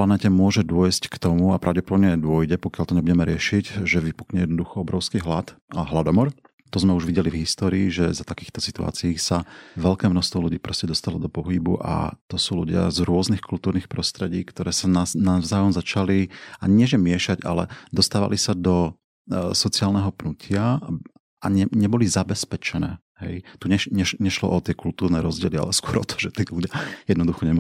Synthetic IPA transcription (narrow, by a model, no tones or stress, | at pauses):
planɛːcɛmʊɔʒɛd̪ʊɔjsckt̪ɔmuapɾaʊɟɛpɔd̪ɔbɲɛd̪ʊɔjɟɛpɔkɪjalt̪ɔɲɛbuɟɛmɛɾɪɛʃiɟʒɛʋipukɲɛjɛd̪nɔd̪uxɔɔbɾɔʊskiːɦlat̪ːɦlad̪ɔmɔɾ | t̪ɔzmɛuʒʋiɟɛlivɦist̪ɔːɾiiʒɛzat̪akiːxt̪ɔsit̪ua̰ːt͡siiːsaʋɛlkɛːmnɔst̪ʋɔluɟiːpɾɔscɛd̪ɔst̪alɔd̪ɔpɔɦibṵʔa̰t̪ɔsuːlṵɟɪa̰zɾʊɔznixkult̪uːɾniːxpɾɔst̪ɾɛɟiːkt̪ɔɾɛːsananaʋzaːjɔmzat͡ʃaliaɲɪɛʒɛmɪɛʃaɟa̰lɛ̰d̪ɔst̪aːʋa̰lʔisad̪ɔ | sɔt͡siaːlnɛɦɔpnucʰɪa | aɲɛɲɛbɔlizabɛspɛt͡ʃɛnɛ̰ː | hɛjt̪uɲɛɲɛʃɲɛʃlɔ̰ʔɔt̪ɪɛkult̪uːɾnɛːɾɔzɟɪɛlia̰lɛskwɔɾɔ̰t̪ʰɔ̥ʒɛt̪iːluɟɪajɛd̪nɔd̪uxɔɲɛma